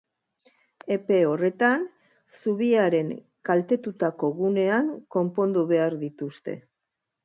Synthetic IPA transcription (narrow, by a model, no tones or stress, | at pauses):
e̞pe̞o̞re̞t̪an | suβiaɾe̞ŋ | kalt̪e̞t̪ut̪ako̞ɣune̞aŋko̞mpo̞nd̪uβe̞aɾðit̪ust̪e̞̰